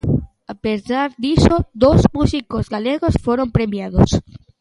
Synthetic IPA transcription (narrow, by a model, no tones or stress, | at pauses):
apezaɾd̪isod̪ozmusikozɡaleɣosfoɾo̞mpɾemjaðo̰s